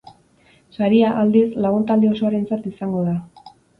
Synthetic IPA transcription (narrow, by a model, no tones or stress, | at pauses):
saɾiaʔald̪islaɣ̞unt̪ald̪eo̞so̞aɾe̞nt͡sat̪isaŋɡo̞ða